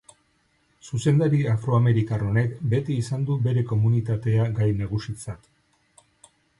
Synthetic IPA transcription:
suse̞nd̪aɾiafɾo̞ame̞ɾikaro̞ne̞kbe̞t̪iːsand̪ube̞ɾe̞ko̞munit̪at̪e̞aɡajneɣ̞usit͡sat̪

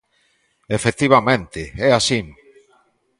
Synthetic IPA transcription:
efek̚t̪iβ̞amẽnt̪ɪɛasim

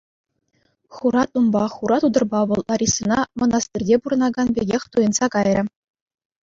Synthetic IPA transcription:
χuɾɑt̪umbɑχuɾɑt̪ud̪ɤ̆rbɑʋɤ̆lˠʔɑɾʲisɤ̆nɑmɤ̆nɑst̪irʲdʲepuɾɤ̆nɑɡɑnbʲeɡʲexʲt̪ujɤ̆nz̥ɑkɑjrʲɘ̆

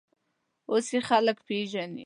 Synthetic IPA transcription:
osexaləkpeʒanḭ

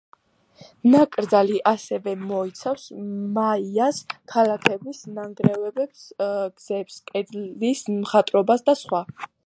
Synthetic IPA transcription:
nakʼɾd̪zaliʔasɛvɛmɔit̪sʰafsmaiaskʰalakʰɛbisnaŋɡɾɛvɛbɛpsɡ̥z̥ɛpskʼɛd̪lismχat̪ʼɾɔbasd̪asχwa

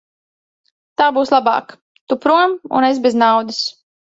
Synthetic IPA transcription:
t̪aːbuːslˠabɑ̰ːk | t̪upɾumṵnesbeznawd̪ɨs

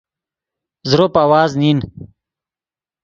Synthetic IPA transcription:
zɾopawaːznin

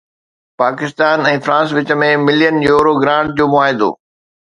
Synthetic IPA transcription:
paːkɪst̪aːnɛ̃ːfɾãːs̬ʋɪt͡ɕə̆mẽmɪlijənjoːɾoɡɾãːɳɖ̚d͡ʑoːmʊaːɦɪd̪o̰ː

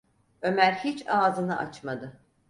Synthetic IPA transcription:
ø̞mæɾhit͡ʃaːzɯnɯʔa̰t͡ʃmad̪ɯ

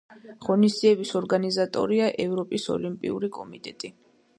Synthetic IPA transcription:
ʁɔnisd̪ziɛbisɔɾɡanizat̪ʼɔ̰ɾiaʔɛvɾɔpʼisɔ̰limpʼḭṵɾikʼɔmit̪ʼɛt̪ʼi

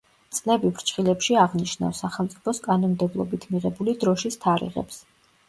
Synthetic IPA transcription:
t̪sʼlɛbibɾt͡ʃχilɛpʃiaʁniʃna̰fsaχɛlˠmt̪sʼi̥pʰɔskʼanɔmd̪ɛblˠɔ̰bit̪ʰmiʁɛbulid̪ɾɔʃist̪ʰaɾḭʁɛ̰ps

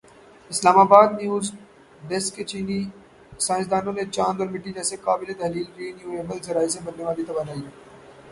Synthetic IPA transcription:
ɪslaːmaːbaːd̪̚njuːz | ɖeskːet͡ʃiːni | sãːɪ̃sd̪aːnõnet͡ʃãːnd̪ɔɾmɪʈːid͡ʒɛːsekaːbɪlet̪ɐɦliːlkiːnjuːeːbəlzɐɾaːisẽbɐɾneʋaːlit̪ɐbaːnaːiɦɛː

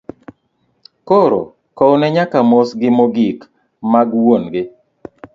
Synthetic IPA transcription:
koɾo̰ | kɔnɛɲakamosɡɪmoɡik | maɡwonɡɪ

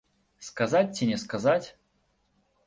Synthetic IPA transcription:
skazat̚ʲtʲːɪnʲɪskazatʲ

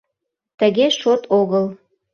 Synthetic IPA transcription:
t̪ə̆ɣeʃot̪ʰoɣəl

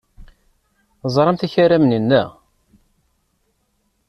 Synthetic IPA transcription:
zˤɾˤɑmθæçaɾæmnənːæ̰

